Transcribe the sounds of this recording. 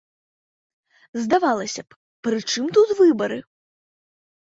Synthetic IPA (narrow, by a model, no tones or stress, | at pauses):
zd̪avalˠɐsʲɐp | pɾɨt͡ʂɨmt̪ut̪vɨbɐɾɨ